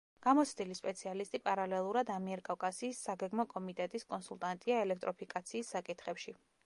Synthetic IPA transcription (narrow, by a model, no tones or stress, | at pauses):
ɡ̥amɔt̪sʰd̪ilispʼɛt̪sʰialist̪ʼipʼaɾalɛlˠuɾad̪amiɛɾkʼawkʼasiːsːaɡɛɡmɔkʼɔmit̪ʼɛt̪ʼiskʼɔnsulˠt̪ʼant̪ʼiaɛlɛk̚ʰt̪ʼɾɔpʰikʼat̪sʰiːsːakʼit̪ʰχɛpʃi